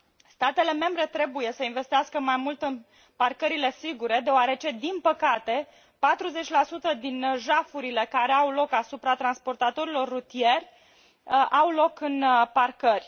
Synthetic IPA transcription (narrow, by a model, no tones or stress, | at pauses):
st̪at̪e̞le̞me̞mbɾe̞t̪ɾe̞buje̞səinve̞st̪ijaskəmajmult̪ɨn | parkəɾile̞siɡuɾe̞d̪e̞oaɾe̞t͡ʃe̞d̪inpəkat̪e̞ | pat̪ɾuze̞t͡ʃʲlasut̪əd̪inʒafuɾile̞kaɾe̞awlo̞kasupɾat̪ɾanspo̞rt̪at̪o̞ɾilo̞rːut̪ije̞rʲ | awlo̞kɨnparkərʲ